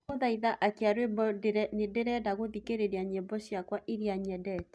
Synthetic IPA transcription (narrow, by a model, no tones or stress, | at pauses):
oðaiðaʔakeaɾwebɔnedeɾɛdaɣoðikeɾeɾaɲebɔɕjakwaʔiɾiaɲɛdɛt